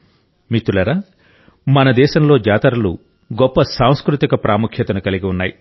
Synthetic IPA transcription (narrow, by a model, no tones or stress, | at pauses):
mit̪ːulɐɾaː | mɐnɐd̪ɛːʃɐmlo̞ːd͡ʒaːt̪ɐɾɐlu | ɡɔpːɐsaːw̃skɾut̪ikɐpɾʔaːmukʰjɐt̪ɐnukɐliɡiunːaːji